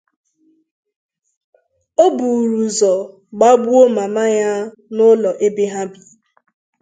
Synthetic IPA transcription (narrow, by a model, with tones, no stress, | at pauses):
o˦bu˨ɾu˨zɔ˨ | ɡ͡ba˦ɡ͡bu˦o˦ma˨ma˦ɲa˦ | nʊ˦lɔ˨ʔe˦be˦ɦa˦bi̥˨